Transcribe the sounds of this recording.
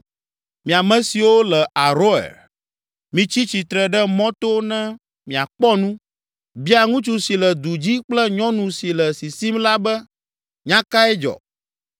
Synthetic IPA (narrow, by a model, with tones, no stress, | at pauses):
mĩ˨a˨mɛ̃˨˦si˨wo˦lɛ˨ʔa˨ɾo˦ɛ̰˨l | mĩ˨t͡ɕi˦t͡ɕi˨t̪ɾɛ˨ɖɛ˦mɔ̃˦t̪o˦nɛ̃˦ | mĩ˨a˨k͡pɔ˦nũ˦ | bi˦a˨ŋũ˦t͡ʃu˨si˨lɛ˨d̪u˨d͡ʑi˦k͡plɛ˦ɲɔ̃˦nũ˨si˨lɛ˨si˨si˦mla˦bɛ˦ | ɲã˦ka˦ɛ˦d͡ʒɔ̰˨